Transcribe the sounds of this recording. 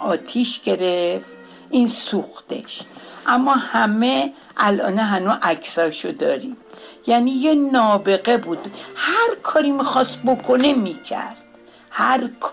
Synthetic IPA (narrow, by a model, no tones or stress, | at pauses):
ɒːt̪ʰiʃɡe̞ɾeft̪ | ʔinsuxt̪ḛʃʔæmːɒhæme | ʔælʔɒ̰ːneɦænuʔækʰsɒʃod̪ɒːɾim | jæniːjenɒːbe̞ɣebud̪hæɾkʰɒːɾimixɒst̪̚bokʰonemiːcʰæ̰ɾd̪̥̚ | hæɾkʰ